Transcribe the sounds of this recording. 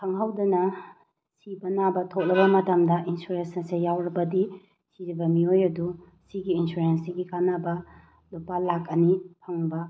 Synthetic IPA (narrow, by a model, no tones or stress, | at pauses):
kʰɐŋɦawdɐnɐ | sibɐnabɐtʰok̚lɐbɐmɐtɐmdɐʔinsuɾensnɐsejawɾɐbɐdi | siɾibɐmiojɐdu | siɡiːnsuɾensiɡikanɐbɐ | lupalakɐnipʰɐŋbɐ